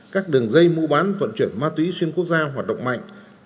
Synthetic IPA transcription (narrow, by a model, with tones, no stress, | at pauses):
kaː˦˥k̚ɗɨ˨˩əŋzə˧jmu˧ɓaː˨˦nvə̰˧˨nt͡ɕwi˧˩ənmaː˧t̪wi˨˦swi˧ənku˥ək̚zaː˧ɦwaː˨˩t̚ɗə̰˧˨wŋ͡mma̰˧˨jŋ̟